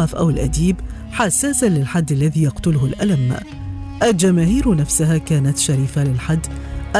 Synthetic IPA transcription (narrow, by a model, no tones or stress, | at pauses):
ɑfʔawɪlʔad̪iːb | ħasːaːsalɪlħad̪ːalːaðiːjɑqt̪ʊlʊhʊlʔalam | ʔald͡ʒamaːhiːɾnafsʊhaːkaːnat̪ʃaɾiːfalɪlħad̪ːʔa